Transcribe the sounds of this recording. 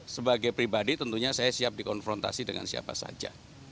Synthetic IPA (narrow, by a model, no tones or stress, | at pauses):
səbaɡajpɾibadit̪ənt̪uɲasajasiap̚dikɔnfɾɔnt̪a̰sidəŋa̰nsia̰pa̰sa̰d͡ʒa̰